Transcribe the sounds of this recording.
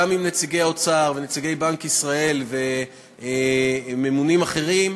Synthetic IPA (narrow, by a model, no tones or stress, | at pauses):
amimnet͡siɡe̞jaot͡saʁvenet͡siɡe̞jbaŋkisʁae̞lve̞ | me̞munimaχe̞ʁim